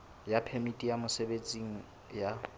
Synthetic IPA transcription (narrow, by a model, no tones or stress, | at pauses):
japʰemitʼijamʊsebet͡sʼiŋ̩ | ja